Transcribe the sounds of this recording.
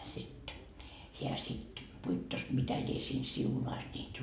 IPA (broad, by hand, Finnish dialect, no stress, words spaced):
sit heæ sit puitːos mitæ lʲie siːn siunɑis nʲiːt